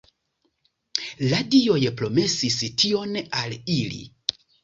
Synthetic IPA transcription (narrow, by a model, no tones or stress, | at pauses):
ladio̞jpɾo̞me̞sistio̞nalilḭ